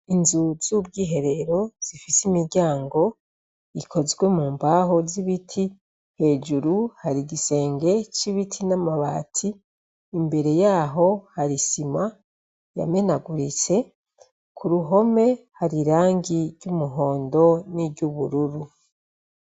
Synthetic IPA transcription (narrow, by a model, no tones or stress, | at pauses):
inzuz̥ubɡiːɦe̞ɾe̞ɾo̞z̥ifisimiɾɟaːŋɡo̞ | ikʰo̞zɡwe̞muːmbaɦo̞ziβitʰi | he̞ːd͡ʒuɾuhaɾiɡise̞ːŋɡe̞t͡ʃiβitʰinamaβa̰ːtʰiː | mbe̞ɾe̞jaːɦo̞haɾisima | ja̰me̞naɡuɾit͡se̞ | kʰuɾuɦo̞me̞haɾiɾaːŋɡiɾɟumuɦo̞ːndo̞niɟuβuɾuɾu